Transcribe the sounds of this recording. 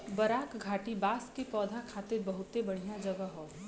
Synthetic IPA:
bəɾaːkɡʱaːʈibaːskepɔːd̪ʱakʰaːt̪ɪɾbəɦʊt̪ebəɽ̤ijãd͡ʒəɡəɦoː

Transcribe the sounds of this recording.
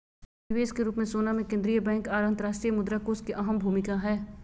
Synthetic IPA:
ɪʋeːskeɾuːpmẽsoːnamẽkẽnd̪ɾijəbɛ̃ːŋkaːɾə̃nd̪ɾaːʃt̪ɾijəmʊd̪ɾakoːskiʔɐɦəmbʱuːmɪkaɦɛː

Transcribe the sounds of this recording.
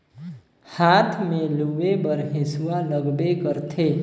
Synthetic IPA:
hat̪ʰmeluʋebəɾɦesuwaləɡbekəɾt̪ʰe

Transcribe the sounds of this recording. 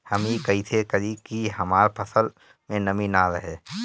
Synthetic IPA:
həmikəɦit̪ʰekəɾikiɦəmaːɾpʰəsəl | mẽnəmĩnaɾəɦeː

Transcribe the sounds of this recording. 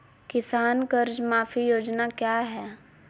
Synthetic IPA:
kɪsaːnkɐɾd͡ʒmaːfʰijoːd͡ʒnakjaːɦɛː

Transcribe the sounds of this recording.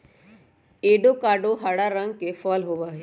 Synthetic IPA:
eːɖokaːɖoɦaɽaɾə̃ŋɡ̚kefɔːlɦoːʋaːɦe

